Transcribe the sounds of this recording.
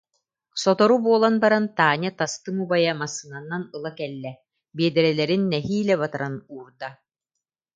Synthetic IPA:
sɔt̪ɔɾubuɔlˠanbaɾant̪aːɲat̪ast̪ɯŋubajamasːɯnanːanɯlˠakɛlːɛ | biɛd̪ɛɾɛlɛɾinːɛɦiːlɛβat̪aɾanuːɾd̪a

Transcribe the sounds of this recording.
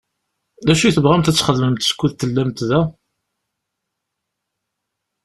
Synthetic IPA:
ðæʃiθəvʁæmt̪æt͡sːχəðməmt̪skːuðt̪ːəlːæmt̪ðæ

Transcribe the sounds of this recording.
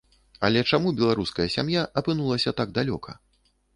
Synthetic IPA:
ɐ̰lʲɛt͡ʂamubʲɛlˠaɾuskɐjɐsʲa̰mjaʔɐpɨnulˠɐsʲɐt̪aɡ̚d̪alʲɔ̰kʰɐ

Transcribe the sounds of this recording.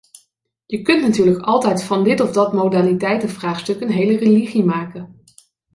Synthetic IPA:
jəkɵntnatyːɹləkɑlˠtɛjtfɑndɪtɔvdɑtmowdaːlitɛjtəvraːχstɵkənɦejləreliχimaːkən

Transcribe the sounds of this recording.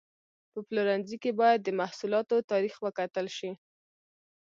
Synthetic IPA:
pəploɾanzikebɑjad̪ːəmahsulɑt̪ot̪ɑɾixwəkat̪əlʃi

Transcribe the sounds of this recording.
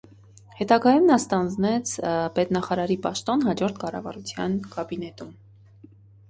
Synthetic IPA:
hɛt̪ɑɡɑjumnɑst̪ɑnd͡znɛt͡sʰpɛt̪nɑχɑɾɑɾipɑʃt̪ɔnɦɑd͡ʒɔɾt̪ʰkɑrɑ̰vɑ̰ɾut͡sʰjɑnkɑbinɛt̪um

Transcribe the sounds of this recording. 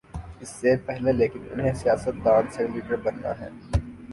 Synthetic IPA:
ɪsːepɛɦleleːkɪnʊ̰nɦẽsijaːsət̪̚d̪ãːnsɛliːʈəɾbɐnːa̰ɦɛ̰ː

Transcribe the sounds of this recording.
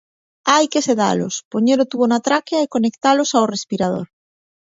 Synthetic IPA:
ajkeseða̰lospoɲeɾot̪uβonat̪ɾakjaekonekt̪alosaorespiɾað̞o̰ɾ

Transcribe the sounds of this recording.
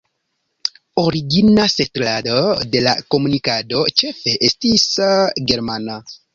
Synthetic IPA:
oɾiɡinase̞tlado̞de̞la̰ko̞munikado̞t͡ʃe̞fe̞ʔestisɡe̞ɾmana

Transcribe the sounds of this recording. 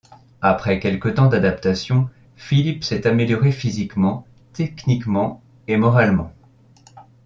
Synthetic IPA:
apχɛkʲɛlkət̪ɑ̃d̪ad̪apt̪asjɔ̃ | filipsɛt̪ameljɔʁefizikmɑ̃ | t̪ɛknikmɑ̃ | emɔʁalmɑ̰̃

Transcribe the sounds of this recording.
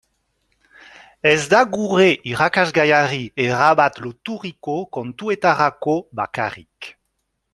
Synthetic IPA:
ɛzd̪aɡuʁeʔiʁakazɡajaʁieʁabat̪lot̪uʁikokɔ̃nt̪uet̪aʁakoba̰ka̰ʁḭk

